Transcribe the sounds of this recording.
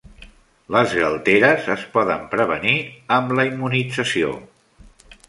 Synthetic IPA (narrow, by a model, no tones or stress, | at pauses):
ləzɣəlˠt̪eɾəzəspɔðəmpɾəβəniəmləimːunid͡zəsio̰